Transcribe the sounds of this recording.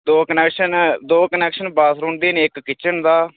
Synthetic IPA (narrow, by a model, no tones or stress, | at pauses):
d̪oːkənɛːkʃənd̪oːkənɛːkʃənbaːsɾʊ̃ɳɖd̪iːnːɪkːɪt͡ʃənd̪aː